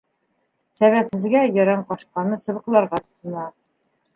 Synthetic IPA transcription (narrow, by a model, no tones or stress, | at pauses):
sæβæp̚hɘ̆ðɡæjɒɾɑɴqɒʃqɑnɤsɤ̆βɤ̆qlˠɑɾʁɑt̪ŏ̥t̪ɤ̆nɑ